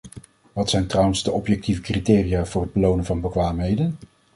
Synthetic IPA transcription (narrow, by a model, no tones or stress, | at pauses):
ʋɑtsɛjntrʌwənzdəʔɔpjɛk̚tivəkritɪːrijaːv̥ʊːrɦəd̚bəlownənvɑnbəkʋaːmɦejdən